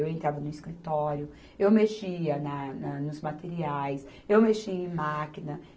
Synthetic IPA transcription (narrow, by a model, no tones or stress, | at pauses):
ewẽnt̪ɾavɐnʊiskɾit̪ɔɾjʊ | ewmeʃiɐnɐnɐnʊzmat̪eɾiajs | ewmeʃiɐẽmakinɐ